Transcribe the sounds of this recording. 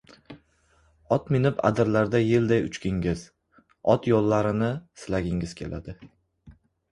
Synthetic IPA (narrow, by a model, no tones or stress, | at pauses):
ɒt̪mɪnɪpa̰d̪ɪɾlaɾd̪ajɪld̪ajʊ̰t͡ʃkʲɪŋɡʲɪz̥ | ɒt̪jolˠːaɾɪnɪsɪlaɡʲɪŋɪz̥kʲʰe̞̰lʔa̰d̪ɪ